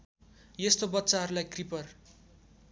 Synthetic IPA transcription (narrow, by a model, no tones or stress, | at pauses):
jest̪obʌtːsaɦʌɾulajkripʌr